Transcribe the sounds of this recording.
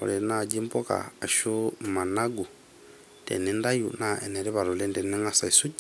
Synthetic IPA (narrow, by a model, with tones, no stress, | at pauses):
ɔ̰˨li˨na˦˨ɟi˦mpɔ˦ka̰ː˨ʃu˦ma˨na˦ɡu˨ | tɛ̰˨ni˦nda˦jṵ˨na˦ɛ̰˨nɛ˨ɾi˦βa˨ɾɔ˨lɛ˦ndɛ˨ni˦ŋa˦sa˨i˨su˦